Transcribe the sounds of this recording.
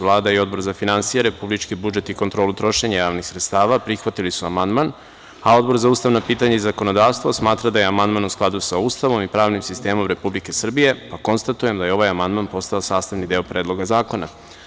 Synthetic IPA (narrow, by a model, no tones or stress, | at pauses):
lˠaːd̪aio̞d̪bo̞ɾzafinansijeɾe̞publit͡ʃkibud͡ʒe̞t̪ikot̪ɾo̞ːlut̪ɾo̞ʃe̞ɲajaːʋnixsɾet̪st̪aːʋapɾixʋat̪ilisuamand̪man | ao̞d̪bo̞ɾzauːst̪aʋnopiːt̪aɲaizako̞no̞d̪aːʋst̪ʋosmaːt̪ɾad̪aje̞amand̪manusklˠad̪usauːst̪aʋo̞mipɾaːʋnimsist̪e̞ːmo̞mɾe̞publike̞sr̩bije̞pako̞nst̪at̪uje̞md̪ajeo̞ʋajamand̪manpo̞st̪aosaːst̪aʋnid̪eopɾe̞ːd̪lˠo̞ɡazaːko̞na̰